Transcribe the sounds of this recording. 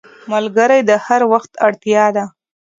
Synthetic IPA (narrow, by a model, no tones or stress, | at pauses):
malɡəɾajd̪əhaɾwaxt̪aɽt̪jɑd̪a